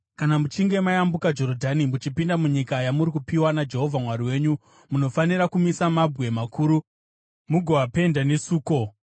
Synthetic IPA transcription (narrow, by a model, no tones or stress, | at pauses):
kanamut͡ʃiŋɡe̞majambukad͡ʒo̞ɾodʱanimut͡ʃipindamuɲikajamuɾikupiwanad͡ʒe̞ɦo̞vʱamwaɾiwe̞ːɲu | muno̞faniɾakumisamabʱɣe̞makʰuːɾu | muɡʱoape̞ndanesuːko̞